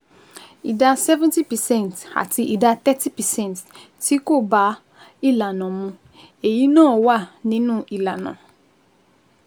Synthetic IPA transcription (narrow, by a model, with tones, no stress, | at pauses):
i˨da˧sɛ˦vɛ̃˦nti˦pɛ˨sɛ̃˦˨n˨ta̰˨ti˧ʔi˨da˧t̪ɛ˦ti˦pɛ˨sɛ̃˦˨n˨t | ti˦ko˦˨ba˦ | i˦˨la˨nã˨mũ˧ | e˨ji˨˦nãː˦˨wa˦˨nĩ˨˦nũ˦ʔi˨la˨nã̰˨